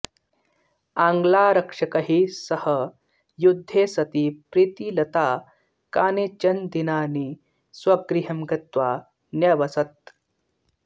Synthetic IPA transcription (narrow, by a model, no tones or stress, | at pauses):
ãːŋɡlaːɾɐkʂɐkɐɦisɐhɐ | jud̪ʱːeːsɐt̪iːpɾit̪iːlɐt̪aː | kaːnet͡ʃɐnd̪inaːniː | swɐɡɾiɦɐmɡɐt̪ʋaː | njɐʋɐsɐt̪̚